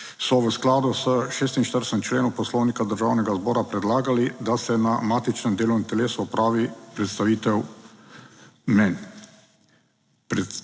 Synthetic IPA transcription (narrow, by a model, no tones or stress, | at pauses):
sɔʋəsklaːd̪usəʃeːst̪inʃt̪əɾsɛmt͡ʃleːnupɔslɔwnikad̪əɾʒaːwnɛɡazbɔːɾapɾɛd̪laːɡalid̪asɛnamaːt̪it͡ʃnɛmd̪eːlɔwnɛmt̪ɛleːsuɔpɾʔaːʋipɾɛt̪st̪aʋiːt̪ɛw | mɛn | pɾ